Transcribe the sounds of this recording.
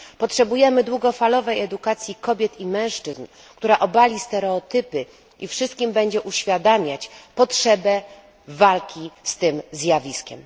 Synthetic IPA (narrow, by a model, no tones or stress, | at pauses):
pɔtʂɛbujɛmɘd̪wuɡɔfalɔvɛjɛd̪ukat̪sʲjikɔbʲjɛt̪imɛ̃w̃ʂt͡ʂɘzn | kt̪uɾaʔɔbalʲist̪ɛɾɛɔt̪ɘpɘ | ifʂɘst̪̚kʲimbɛɲd͡ʑɛʔuɕfʲjad̪amʲjat͡ɕpɔtʂɛbɛ | valkʲist̪ɘmzʲjavʲiskʲɛ̰m